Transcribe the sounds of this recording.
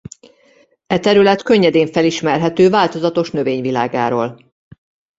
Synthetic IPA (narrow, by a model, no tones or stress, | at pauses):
ɛt̪ɛɾylɛt̪kø̞ɲːɛd̪eːɱfɛliʃmɛrɦɛt̪øːvaːlt̪o̞zɒt̪o̞ʃnøveːɲvila̰ːɡa̰ːɾo̰ːl